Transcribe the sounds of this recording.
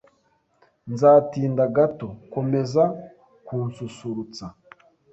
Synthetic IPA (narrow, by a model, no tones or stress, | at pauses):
nzaːtiːndaɡato̞ko̞me̞za | kuːnsusuɾut͡sa